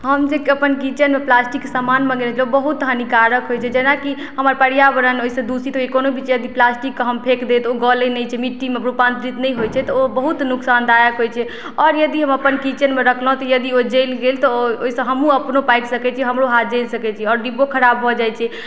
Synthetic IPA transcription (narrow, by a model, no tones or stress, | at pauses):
ɦəmd͡ʒekəpənkit͡ʃənmeplasʈiksəmanmə̃ɡelɛt͡ʃʰɛobəɦut̪ɦənikaɾəkɦojt͡ʃʰɛd͡ʒenaki | ɦəməɾpəɽijabəɾənoisə̃d̪usit̪ɦokonobʱit͡ʃɛjəd̪iplasʈikːəɦəmpʰekd̪et̪oɡɔlənəjt͡ʃʰɛmiʈːimepɾupãnt̪ɾit̪nəjɦojt͡ʃʰɛt̪ɔobəɦut̪nuksand̪ajəkɦojt͡ʃʰɛ | ɔɾjəd̪iɦəməpənkit͡ʃənmeɾəkʰlə̃t̪ɔjəd̪iod͡ʒelɡelt̪ɔoisə̃ɦəmũəpnopajksəkɛt͡ʃʰiɦəmɾoɦat̪d͡ʒelsəkɛt͡ʃʰiɛɔːɾɖibokʰəɾabɦɔd͡ʒajt͡ʃʰɛ